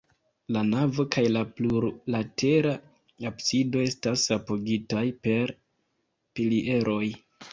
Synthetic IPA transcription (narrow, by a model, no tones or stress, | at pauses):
lanavo̞kajlapluɾlate̞ɾa | apsido̞e̞stasapo̞ɡitajpe̞ɾ | piliʔe̞ɾʔo̞j